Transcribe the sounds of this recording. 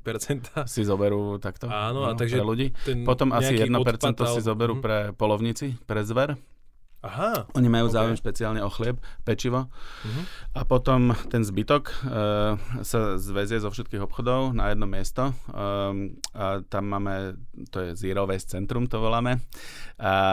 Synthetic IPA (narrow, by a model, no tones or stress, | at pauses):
pɛɾt͡sɛnt̪asizɔbɛɾuːt̪akt̪ɔanɔt̪aɡʒɾɛluɟiːɛpɔt̪ɔmasijɛdd̪nɔpɛɾt͡sɛnt̪ɔsizɔbɛɾuːpɾɛpɔlɔʊɲit͡sipɾɛzʋɛɾ | aɦaɔɲimajuːzaːujɛmʃpɛt͡siaːlɲɛɔxlɪɛp̚pɛt͡ʃiʋɔ | apɔt̪ɔmt̪ɛnzbit̪ɔk | sazʋɛzɪjɛzɔfʃɛt̪kiːɣɔpxɔd̪ɔʊnajɛd̪nɔmɪɛst̪ɔ | t̪amːaːmɛt̪ɔjɛziːɾɔʋɛst͡sɛnt̪ɾumt̪ɔʋɔlaːmɛ | a